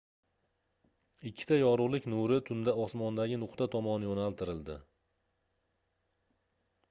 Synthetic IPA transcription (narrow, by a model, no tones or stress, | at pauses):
ɪkʲʰːɪ̥t̪ʰajɒɾʊʁlˠɪkʲnʊɾɪt̪ʰʊnd̪aɒsmɒnd̪aɡʲɪnʊqt̪ʰat̪ʰɒmɒnɪjonalˠt̪ʰɪɾɪld̪ɪ